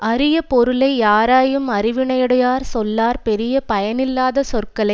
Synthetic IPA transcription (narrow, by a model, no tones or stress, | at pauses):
ʔɐɾɪjɐpɔɾɯlɐɪjaːɾaːjɯmɐɾɪʋɪɳɐjɐɽɐjaːɾsɔlːaːɾpɛɾɪjɐpɐjɐnɪlːaːðɐsɔrkɐɭɐɪ